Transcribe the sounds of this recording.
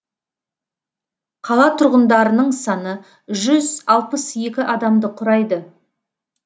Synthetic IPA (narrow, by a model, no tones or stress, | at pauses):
qʰɑlˠɑt̪ʰʊɾʁənd̪ɑɾənəɴsɑnə | ʒʏzɑlˠpəse̞kʲɪʔɑd̪ɑmd̪əqʰʊɾɑjd̪ə